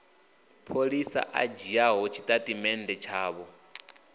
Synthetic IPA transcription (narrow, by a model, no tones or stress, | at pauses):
pʰolisa̰ʔa̰d͡ʒiaɦɔt͡ʃʰi̥tʼatʼimɛndɛt͡ʃʰaːβɔ